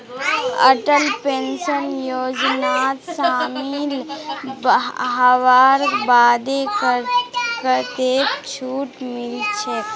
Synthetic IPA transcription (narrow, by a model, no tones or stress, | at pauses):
ə̰ʈəlpenʃənjod͡ʒnat̪samilbɦaʋaɾbad̪ek | kəɾt̪ekt͡ʃʰuːʈmilt͡ʃʰe